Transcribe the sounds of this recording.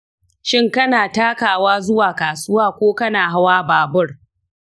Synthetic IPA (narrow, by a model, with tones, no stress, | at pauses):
ʃɪ˦ŋkɐ˦naː˨taː˦kaː˨waː˦zʊ˦waː˨kaː˨sʊ˦waː˦kʷoː˦kɐ˦naː˨ɦa˦waː˦baː˨bʊ˦r